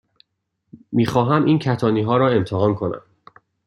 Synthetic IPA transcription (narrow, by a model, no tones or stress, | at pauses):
miːxɒːɦæmʔiːncʰæt̪ʰɒːniːɦɒːɾɒːe̞mt̪ʰeɦɒːnkʰo̞næ̰m